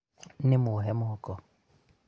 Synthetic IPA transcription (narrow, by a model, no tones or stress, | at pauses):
nɪmʊɦɛmʊhɔkɔ